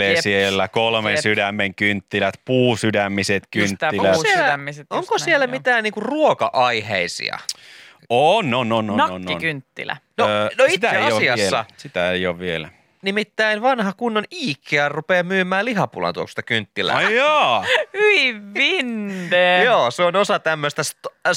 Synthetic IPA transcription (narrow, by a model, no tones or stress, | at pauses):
esielːækolmensydæmːeŋkynt̪ːilæt̪puːsydæmːiset̪kynnt̪ːiæoselææmːiset̪oŋkosielːæmit̪æːnniːŋkurruokɑʔɑiheisḭɑ̰ | onːononnɑonːikynt̪ːḭlæ̰nonoiit̪ːeɑossiɑslːɑ̰sit̪æeijoʋʋielæ | nimit̪ːæinʋɑnhɑkunːoniːkʰːeɑrrupeːmyːmːˑæːliɦɑpṵlɑ̰t̪uo̰kst̪ɑkynt̪ːilæ̰ːjɑ | yiʋʋinːeːjoːseonosɑt̪æmːøst̪æst̪